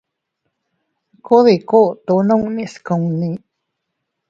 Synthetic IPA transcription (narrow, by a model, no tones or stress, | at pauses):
kuðikuʔt̪unuŋniʔskəŋni